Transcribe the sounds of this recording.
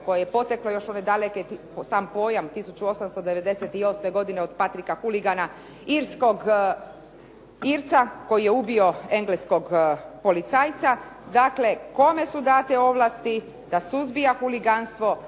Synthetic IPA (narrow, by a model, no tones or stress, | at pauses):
ko̞jajepo̞t̪eklojo̞ʃo̞ne̞d̪aleke | saːmpo̞ːjamt̪isut͡ɕuo̞samst̪o̞d̪eʋe̞d̪e̞set̪io̞sme̞ɡo̞d̪ineod̪pat̪ɾikaxuliɡana | iɾsko̞ɡ | iɾt̪sako̞jije̞ubio̞e̞ŋɡlesko̞ɡpo̞lit̪saːjt̪sad̪akle̞ko̞me̞sud̪aːt̪e̞o̞ʋlˠaːst̪i | d̪̥asuzbijaxuliɡanst̪ʋo̞